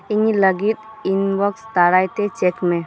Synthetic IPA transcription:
iɲiləɡit̪̚ | inbɔkst̪aɾajt̪ɛt͡ʃɛkmɛ

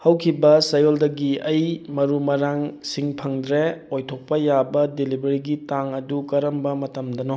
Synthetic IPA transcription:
hɐwkʰibɐsɐjoldɐɡiɐjmɐɾumɐɾaŋsiŋpʰɐŋdɾeojtʰok̚pɐjabɐdelibʱɐɾiɡitaŋɐdukɐɾɐmbɐmɐtɐmdɐno

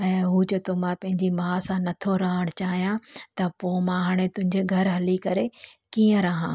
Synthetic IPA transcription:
ɛ̃ːɦuːt͡ɕɐt̪omãpɐ̃ɦɪ̃ɲd͡ʑimaːsãnɐt̪ʰoɾɐɦəɽ̃t͡ɕaːɦijãt̪ɐpomãɦaːɽ̃et̪ʊ̃ɦɪ̃ɲd͡ʑeɡʱɐɾɦɐlikɐɾekiːə̃ɾɐɦãː

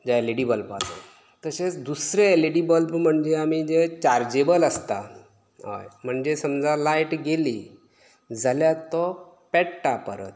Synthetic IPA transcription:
d͡zaleɽibəlpa̰t̪o̰ | t̪əset͡sd̪usɾeleɽibəlpm̤əɳd͡ʑeamid͡zet͡ɕaɾd͡ʑebələst̪a | ɦo̰jm̤əɳd͡ʑesəmd͡zalajʈɡeli | d͡zaljat̪ɔ | pɛʈʈapəɾə̰t̪̚

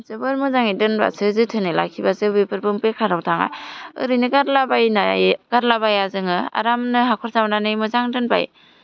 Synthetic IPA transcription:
zɯbɯɾmɯzaŋidɯnba̰sʰɯzɯtʰɯnɯla̰kʰibazɯbɯpɯɾbɯmpekʰaɾawtʰaŋa̰jɯ̰ɾɯnɯɡaɾlabajnaɡ̥aɾlabajazɯŋɯa̰ɾamnɯɦakʰɔɾsamnanɯjmɯzaŋdɯnba̰j̰

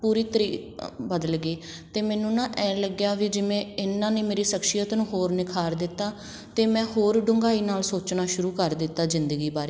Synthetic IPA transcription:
puːɾiːt̪əɾiːbəd̪əlɡeːt̪eːmɛ̃ːnũːnãːʔɛ̃ːləɡjaːʋiːd͡ʒɪmẽːɪnːãːnẽːmeːɾiːsəkʃɪjət̪nũːɦoːɾnɪkʰaːɾd̪ɪt̪ːaː | t̪eːmɛ̃ːɦoːɾɖʊŋɡaːiːnaːlsoːt͡ʃnaːʃʊɾuːkəɾd̪ɪt̪ːaːzɪnd̪əɡiːbaːɾeː

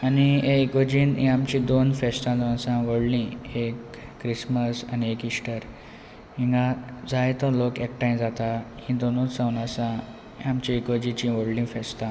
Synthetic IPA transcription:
anieikod͡ʑiːnɦḭ̃amt͡ɕĩd̪onfest̪ãd͡zonasãʋəɽlĩekː | ɾisməsa̰niekisʈəɾ | ɦĩŋɡad͡zaet̪ɔlokek̚ʈajd͡zat̪ahĩd̪onũt͡sãwnasã | amt͡ɕĩikod͡ʑĩt͡ɕĩʋəɽlĩfest̪ã

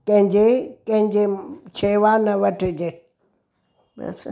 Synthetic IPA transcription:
kɐ̃ɦɪ̃ɲd͡ʑekɐ̃ɦɪ̃ɲd͡ʑet͡ɕʰeːʋanɐʋɐʈʰɪd͡ʑeː | bɛ̰s

